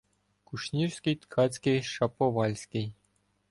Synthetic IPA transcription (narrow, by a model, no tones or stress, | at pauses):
kuʂnʲirsʲkʲit̪kʰɑt͡sʲkʲiʂɑpoʋɑlʲsʲkʲij